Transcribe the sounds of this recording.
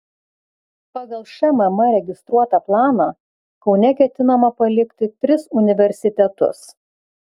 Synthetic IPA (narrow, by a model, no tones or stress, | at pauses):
pɑːɡɐlˠʃʲɛmɐmɐɾʲɛɡʲɪst̪ɾuɔt̪ɐplˠɑːnɐ | kɒʊnʲɛkʲɛt̪ʲɪnɐmɐpɐlʲɪkʲt̪ʲɪt̪ʲɾʲɪsʊnʲɪʋʲɛɾʲsʲɪt̪ʲɛt̪ʊ̰s